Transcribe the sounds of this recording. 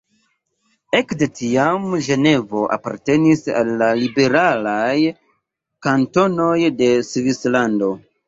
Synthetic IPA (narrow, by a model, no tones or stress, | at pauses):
e̞kde̞tiamʒe̞ne̞vo̞ʔa̰pa̰ɾte̞nisa̰lːalibe̞ɾalaj | kanto̞no̞jde̞svislando̞